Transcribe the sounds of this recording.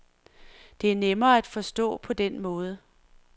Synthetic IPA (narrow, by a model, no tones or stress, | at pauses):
d̥e̝æɐnemɐːæd̥fɒ̽sd̥ɔ̰̽ːpʰɒ̽d̥enmɔ̽ːð̞ˠə